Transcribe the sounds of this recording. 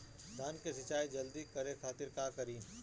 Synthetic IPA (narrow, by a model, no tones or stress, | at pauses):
d̪ʱaːnkesɪt͡ʃaːid͡ʒɐld̪ikɐɾekʰaːt̪ɪɾkaːkɐɾiːn